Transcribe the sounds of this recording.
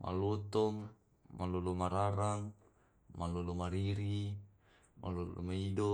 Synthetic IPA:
mʔa̰lɔt̪ɔŋ | malolomaɾaɾaŋ | malolomaɾiɾi | mʔa̰lolo̰maidɔ

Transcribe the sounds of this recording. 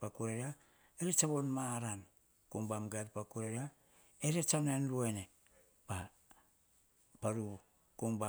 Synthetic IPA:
pakuɾeɾa | eɾet͡ʃaβonmaɾan | koŋbamɡaɾpakuɾeɾa | eɾet͡ʃanenɾuene | pa | paɾu | koŋba

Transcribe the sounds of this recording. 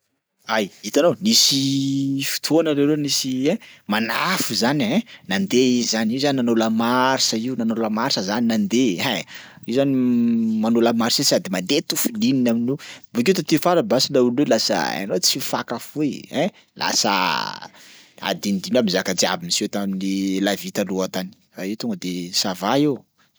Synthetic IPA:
ajit̪anonisifi̥t̪ʰonaɾewɾenisiemanafuzanẽnand̪eizizanizaninanoləmaɾisaiunanoləmaɾisəzaninand̪eɦeiuzanimanoləmaɾisesiad̪imand̪et̪ufulininaminubukewt̪at̪ifaɾabasinaulwelasə̰a̰not͡sifakafuiɛ̃ | lʔa̰sə̰ | a̰d̪inid̪inamizakad͡zia̰bimiset̪aminilavit̪aluat̪ani̥fait̪uŋɡəd̪esavaeu

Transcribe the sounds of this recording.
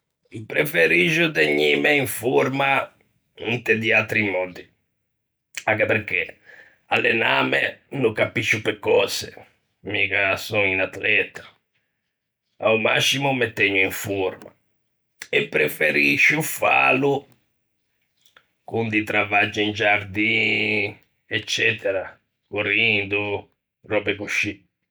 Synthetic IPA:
ipːɾɛfeɾiʒud̪eɲːimɛiɱfuɾma | int̪ɛd̪iat̪ɾimːɔnd̪i | akɛpɛɾke | a̰lːɛnamɛnukapiʃːupɛkːɔsɛ | mikasɔŋinat̪lɛt̪ḁ | a̰uma̰sːimumɛt̪ːɛɲːuiɱfuɾma̰ | ɛpːɾɛfeɾiʃːufa̰lu | kund̪it̪ɾavad͡ʒːiind͡ʒaɾd̪i | ɛt͡ʃːɛt̪ɛɾa | kurind̪u | rɔpɛkuʃːi

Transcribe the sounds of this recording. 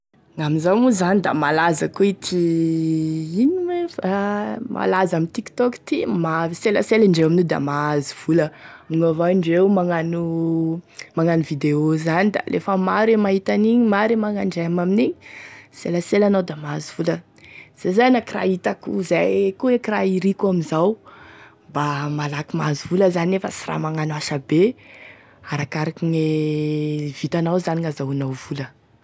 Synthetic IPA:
ŋaminzamuzanid̪a̰malazakoit̪ʰi | iniŋefama̰lazamint̪iki̥t̪ɔki̥t̪imaviselə̰seliɳɖ͡ʐewaminid̪a̰maziv̥uləmuŋavaiɳɖ͡ʐewmaŋanu | maŋanivid̪eozanid̪a̰lʔḛfəmaɾemaɦit̪aniɲimaɾemaŋaɳɖ͡ʐeamaminiɲiseləselanawd̪amazuv̥ulə | z̥ezajnakira̰it̪akṵzajkuekiraiɾikuamizaw | bamalakimazuvuləzanefəsira̰maŋanaʃabe | aɾakaɾakine | vit̪anawzaniŋazawanawvulə

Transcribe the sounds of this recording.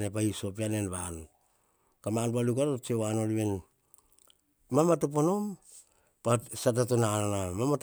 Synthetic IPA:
nepaisop̬ianenβan | kamanpalukaɾot͡ʃewanoliβen | mamatop̬ono̞m | pasat̬atonanamamat

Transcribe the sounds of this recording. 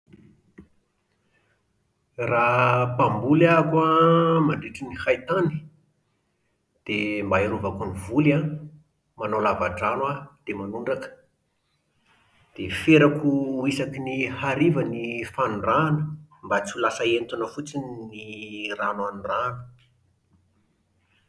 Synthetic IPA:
rapambulakamaɳɖ͡ʐiʈ͡ʂinihajt̪ani̥ | d̪̥embaiɾuvakunivula | manolavaʈ͡ʂanwad̪̥emanuɳɖ͡ʐakə̥ | d̪̥efeɾakuisakinihaɾivənifanuranəmbat͡sulasəent̪unəfut͡sinniranwanuranə̥

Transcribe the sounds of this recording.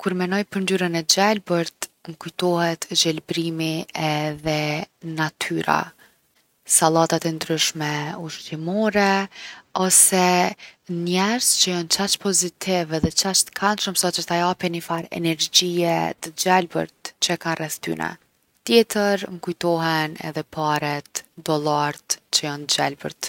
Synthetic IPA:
kuɾmɛnɔjpəɾnd̪yɾənɛd͡ʒɛlbəɾt̪mkujt̪ɔhɛt̪ʒɛlbɾimiɛðɛnat̪ʰyɾa̰ | salˠat̪at̪ɛnd̪ɾyʃmɛuʃt̪imɔɾɛ | ɔsɛ | nɛɾzt͡ʃəjɔnt͡ʃat͡ʃpɔzit̪ʰɪvɛðɛt͡ʃat͡ʃt̪ə̥kʰanʃəmsɔt͡ʃəɾθajapɛnifaɾɛ̰nɛɾd͡ʑiɛ̰t̪əd͡ʒalbə̰ɾt̪t͡ɕəɛkanrɛθt̪y̰nʔɛ̰ | t̪jɛt̪əɾŋkujt̪ɔɦɛnɛ̰ðɛpʰaɾɛt̪d̪ɔlˠaɾt̪t͡ʃəjɔnd͡ʒalbə̰ɾt̪

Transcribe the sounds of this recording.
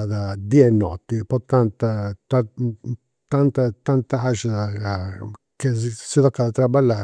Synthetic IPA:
d̪ad̪iaɛnːɔ̰t̪ːipɔt̪ːant̪at̪a | t̪ant̪at̪ant̪aɦaʃaa | kesit̪ɔkːad̪at̪ɾabalːa

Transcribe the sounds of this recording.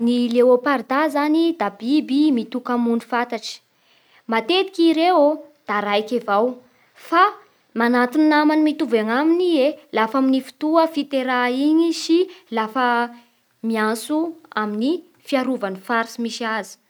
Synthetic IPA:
nileopaɾd̪azanid̪abibimit̪ukamunifat̪aʈ͡ʂi̥ | mat̪ed̪ikiɾewod̪̥aɾajkʲavaw | fa | manat̪ininamanimit̪uveŋaminielafaminifi̥t̪uəfit̪eɾaiɲisilafə | miasuamini | fiaɾuvanifaɾsimisiazi̥

